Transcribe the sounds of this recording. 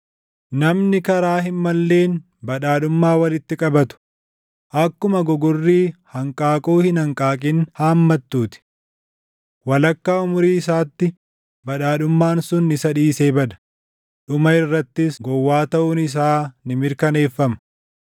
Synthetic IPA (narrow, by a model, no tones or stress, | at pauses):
nɐmnɪkɐɾaːɦɪnmɐlːe̞ːn | bɐᶑaːᶑʊmːaːwɐlɪt̪ːɪkʼɐbɐt̪ʊ̥ | ʔɐkːʊmɐɡɔɡʊrːiːhɐŋkʼaːkʼoːhɪnɐŋkʼaːkʼɪnhaːmːɐt̪ːuːt̪ɪ̥ | wɐlɐkːaːʊmʊɾiːɪsaːt̪ːɪ | bɐᶑaːᶑʊmːaːnsʊnːɪsɐᶑiːse̞ːbɐd̪ɐ̥ | ᶑʊmɐɪrːɐt̪ːɪsɡɔwːaːt̪ɐʔʊnɪs̬aːnɪmɪɾkɐne̞ːfːɐmɐ̥